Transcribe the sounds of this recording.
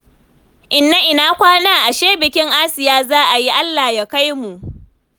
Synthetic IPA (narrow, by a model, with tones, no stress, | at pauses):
ʔɪ˨nːa˦ʔɪ˨naː˦kʷaː˦naː˦ʔa˨ʃeː˦bɪ˨kʲɪ˦ŋʔa˦sɪ˨jaː˦zaː˦ʔa˨ji˦ʔa˦lːaː˨ja˦ka˦jmu˨ʔ